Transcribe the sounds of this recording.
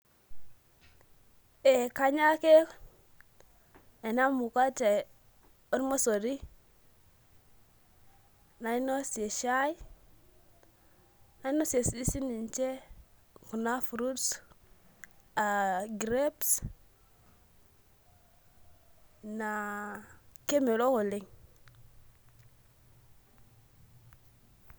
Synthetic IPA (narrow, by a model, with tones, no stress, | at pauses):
e˨ka˦ɲa˦ke˦ | e˨na˦mu˨ka˦t͡ʃe˨ | o˦ɾma˦so˨ɾi˦ | na˨i˦no˦se˨ʃa˦i˦ | na˨˦i˦no˦se˨si˦si˦ni˨nt͡ʃe˦ | ku˨na˦fu˨ɾu˦s | a˨ɡɾe˦ps | na˨ | ke˦me˨lo˦ko˨le˨ŋ